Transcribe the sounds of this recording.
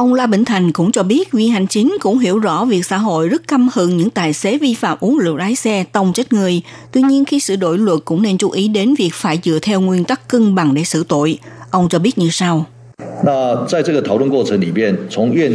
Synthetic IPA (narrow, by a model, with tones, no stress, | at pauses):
ʔə˧wŋ͡mlaː˧ɓḭ˧˨ŋ̟t̪ʰa˨˩jŋ̟kʊ̰˧˥ŋ͡mt͡ɕɔ˧ɓi˦˥ət̚vi˨˩ha˨˩jŋ̟t͡ɕï˨˦ŋ̟kʊ̰˧˥ŋ͡mɦḭ˧˩əwzɔ̰˧˥vi˨˩ək̚sa̰ː˧˥ɦo̰˧˨jzə˦˥t̚ka˧mhɨ˧˩ŋɲɨ̰˧˥ŋt̪aː˨˩jse˨˦vi˧fa̰ː˧˨mʔu˨˦nlɨ̰˧˨ət̚ʔaː˨˦jsɛ˧t̪ə˧wŋ͡mt͡ɕa˦˥t̚ŋɨ˨˩əjt̪wi˧ɲi˧ənxi˧sɨ̰˧˨ɗo̰˧˨jlwə˨˩t̚kʊ̰˧˥ŋ͡mne˧nt͡ɕu˨˦ʔi˨˦ɗe˨˦nvi˨˩ək̚faː˧˩jt͡ɕɨ̰˧˨ət̪ʰɛ˧wŋwi˧ənt̪a˦˥kːɨ˧ŋɓa˨˩ŋɗe˧˩sɨ̰˧˩t̪o̰˧˨j | ʔə˧wŋ͡mt͡ɕɔ˧ɓi˦˥t̚ɲɨ˧sa˧w | na˥˧t͡sa˥˧ɪt͡sə˥˩ɡə˩t̪ʰa˨˩ʊlwə˥˧nkwɔ˥˧˩t͡sʰə˨˦ŋli˨˩mjɛ˥˨nt͡sʰʊ˨˦ŋɥɛ˥˨n